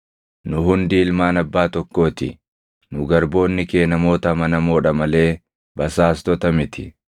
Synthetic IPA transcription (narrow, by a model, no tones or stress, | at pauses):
nʊɦʊnd̪iːɪlmaːnɐbːaːt̪ɔkːo̞ːt̪ɪ̰ | nʊɡɐɾbo̞ːnːɪke̞ːnɐmo̞ːt̪ɐmɐnɐmoːᶑɐmɐle̞ː | bɐsaːst̪ɔt̪ɐmɪt̪ɪ̰